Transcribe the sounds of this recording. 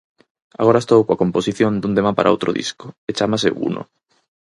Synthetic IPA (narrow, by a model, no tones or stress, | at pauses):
a̰ɣoɾaest̪owkwakomposiθjond̪und̪emapa̰ɾʔao̰wt̪ɾʔoðḭskoet͡ʃamas̬eṵno̰